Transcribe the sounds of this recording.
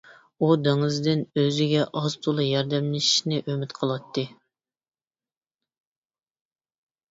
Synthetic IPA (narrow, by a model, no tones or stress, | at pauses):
ud̪eŋɨzd̪ɪnøzɪɡʲɛʔɑzt̪ʰolˠɨjɑɾd̪ɛmlɪʃi̥ʃnɪʔømɪt̪qʰəlˠwɑt̪ʰːɨ